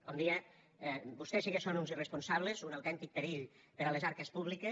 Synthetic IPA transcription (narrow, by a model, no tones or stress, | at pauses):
kɔnd̪ie | bust̪esiɣesonunzirespunsaβ̞lezunawt̪ɛnt̪ik̚peɾiʎ | peɾalezaɾkespuβlike